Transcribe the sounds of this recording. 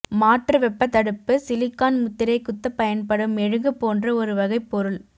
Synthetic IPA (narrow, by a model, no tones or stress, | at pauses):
maːʈrɐʋɛpːɐt̪ːɐɽɯpːɯsɪlɪkːaːnmʊt̪ːɪɾɐɪkːʊt̪ːɐpːɐjɐnpɐɽɯmɛɻɯŋɡɯpːoːndrɐɔɾɯʋɐɣɐɪpːɔɾɯl